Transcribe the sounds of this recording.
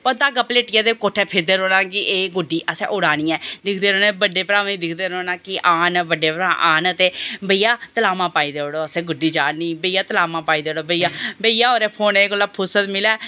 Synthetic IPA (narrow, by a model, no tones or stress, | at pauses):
pət̪aːɡəpleːʈɪjãːd̪eːkoːʈʰːɛːpʰɪɾd̪eːɾoːnãːkɪʔeːɡʊɖːiːʔəsɛ̰̃ʔʊɽaːñiːɛ̃ːd̪ɪkʰd̪eːɾoːnẽːbəɖːeːpɾaːmiːd̪ɪkʰd̪eːɾoːnãːkɪʔaːnbəɖeːpɾaːʔaːnət̪eːbəijaːt̪əlaːmãːpaːiːd̪eːoːɽoːəsẽːɡʊɖiːd͡ʒaːniːbəiːjaːt̪əlaːmãːpaːiːd̪eːoɽoːbəijaːbəiːjaːoːɾeːpʰoːneɡəlːaːpʰʊsət̪mɪlɛː